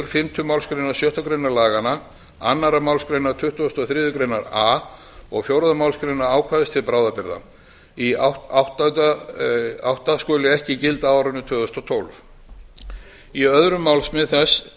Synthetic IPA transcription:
ʏɾ̥fɪmt̪ʰʏmawlskɾejnaɾ̥sjœht̪ɔkɾejnaɾlaːɣana | a̰nːaɾamawlskɾejnaɾt̪ʰʏht̪uɔst̪ɔθɾɪːðʏkɾejnaɾaː | ɔɣfjowɾaðamawlskɾejnːaɾaːwkʰvaðɪst̪ʰɪlpɾawðapɪɾða̰ | iawht̪ | awht̪askœːlɪɛhcɪcɪlt̪aaːwɾʏnʏt̪ʰvœːðʏst̪ɔt̪ʰowlf | iœðɾʏmːawlsmɪðθɛs

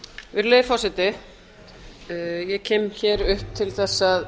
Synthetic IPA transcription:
vɪɾlejðɪfɔsɪt̪ɪ | jɛcʰɛːmçɛɾʏhp̚t̪ʰɪlθɛsːað

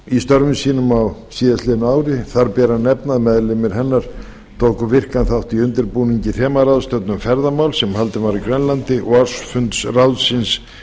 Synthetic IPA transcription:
ist̪œɾvɪmsiːnʏmawsiːðast̪lɪːnaːwɾɪθaɾpɛːɾanɛpnaðmɛðlɪmɪɾ̥ɦɛnːaɾ̥ | t̪ʰoːwkʏvɪr̥kanθawht̪iʏnt̪ɪɾpuːniɲcɪθɛːmaɾawðst̪œt̪nʏmfɛɾðamawlsɛmhalt̪ɪnvaɾikɾœnlant̪ɪʔɔɣaɾ̥sfʏnt̪srawðsɪns

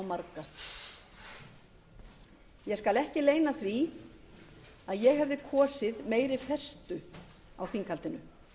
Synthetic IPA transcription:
wmaɾka | jɛskalɛhcɪleːjnaθɾi | aðjɛɣɦɛvðɪkʰɔːsɪðmeːjɾɪfɛ̥st̪ʏ | a̰wθiŋkʰalt̪ɪnʏ

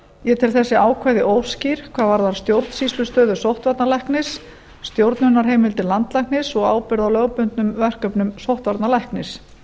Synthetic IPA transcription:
jɛt̪ʰɪlθɛsːɪaːwkʰvajðɪʔowsciɾ̥kʰvaːðvaɾðaɾ̥st̪jowɾt̪n̥sislʏst̪œːðʏsowht̪vaɾt̪nalɛhknɪsː | t̪jowɾt̪nʏnːaɾ̥ɦejmɪlt̪ɪlant̪lajhknɪsɔɣaːwpɪɾðawlœɣpʏnt̪nʏmvɛr̥kœpnʏmsowht̪vaɾt̪nalahknɪs

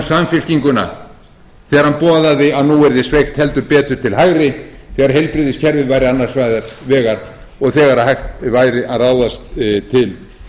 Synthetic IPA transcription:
samfɪl̥ciŋkʏna̰ | θɛːɣaɾhanpɔːðaðɪaðnuɛɾðɪsvejxt̪hɛlt̪ʏɾpɛːt̪ʏɾ̥t̪ʰɪlɦaɣɾɪθɛːɣaɾ̥ɦejlpɾɪðɪscʰɛɾvɪðvaːjɾɪanːaɾsvajðaɾvɛːɣaɾ̥ | ɔɣθɛːɣaɾaðhajxt̪vaːjɾɪʔaðraːwðast̪t̪ʰɪl

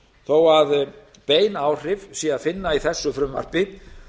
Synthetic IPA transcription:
θoːwað | peːjnaːwr̥ɪvsiaðfɪnːaiθɛsːʏfɾʏmva̰r̥pɪ

